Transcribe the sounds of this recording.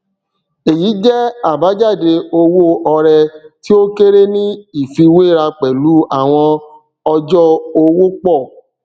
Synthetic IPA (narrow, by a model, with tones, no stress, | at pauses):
e˨ji˨˦d͡ʒɛ˦a˦˨ba˨˦d͡ʒa˦˨de˧o˧wo˦ʔɔ˧ɾɛ˧ti˦o˦ke˦ɾe˦nĩ˦i˦˨fi˧we˦˨ɾa˧k͡pɛ˨lu˨˦a˦˨w̃ɔ̃˧ | ɔ˧d͡ʒɔ˦o˧wo˦k͡pɔ˦˨